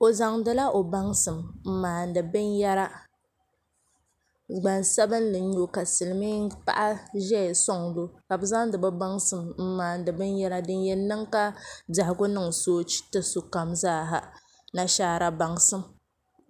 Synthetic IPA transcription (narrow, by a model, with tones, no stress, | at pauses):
o˨za˨ŋdɨ˦la˦ʔo˨ba˦ŋsɨ˨mm̩˦maː˨n̩˨dɨ˨bɨ˦nja˦ɾa˦ | ɡ͡ba˨nsɛ˦bɨ˦n˦lɨ˨ɲo˨ka˨sɨ˨lɨ˨mi˦pa̰˦ʔa˦ʒɛ˦˨sɔ˦ŋlo˦ka˨bɨ˦za˦ŋdɨ˨bɨ˦ba˦ŋsɨ˨mm̩˦maː˨n˨dɨ˨bɨ˦nja˦ɾa˦dɨ˦njɛ˦nːɨ˦ŋka˦ba˨hɡʊ˦nɨ˦ŋsoː˦t͡ʃi̥˦tɨ˨su˨ka˨mzaː˦˨ɦa̰˨ | na˨ʃaː˦ɾa˨ba˨ŋsɨ˦m